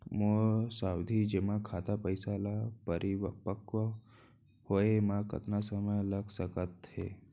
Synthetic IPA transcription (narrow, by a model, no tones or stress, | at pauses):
mosawd̪ʱid͡ʒemãkʰat̪apəjsalapəɾʔiʋpəkʋə | hoemãkə̰t̪nasəməjləɡsəkət̪ɦḛ